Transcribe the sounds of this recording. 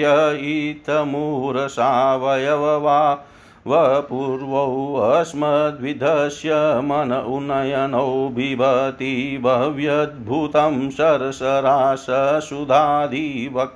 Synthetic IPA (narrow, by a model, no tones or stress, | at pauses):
ɐit̪ʰɐmuːɾɐsaːʋɐjɐʋɐʋaː | ʋɐpuːɾʋɐwʋɐsmɐd̪ʋid̪ʱɐʃjɐmɐnɐʔunːɐjɐnɐwbʱibʱɐt̪ibʱɐʋjɐd̪̚bʱut̪ɐmsɐɾɐsɐɾaːsɐsud̪ʱaːd̪ʱiʋɐk